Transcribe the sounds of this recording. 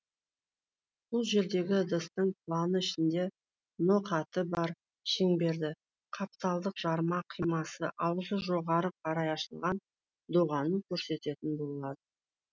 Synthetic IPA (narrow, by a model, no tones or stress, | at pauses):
b̥ʊlˠʒe̞ɾd̪e̞ɡʲɪd̪əst̪əɴpʰlˠanəɪʃɪnd̪e̞ | noqʰɑt̪əbɑɾ | ʃeŋbe̞ɾd̪ɪ | qʰɑp̚t̪ɑlˠd̪əqʒ̥ɑɾmɑqʰijmɑsəʔɑwzəʒo̞ʁɑɾəqʰɑɾɑjɑʃəlˠʁɑn | d̪oʁɑnəŋkʲʰɵɾse̞t̪e̞t̪ɪnbo̞lˠəlˠɑd̪ə